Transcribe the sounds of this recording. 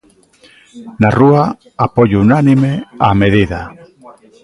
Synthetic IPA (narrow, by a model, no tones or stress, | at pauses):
narua | apoʎunanimeameðiða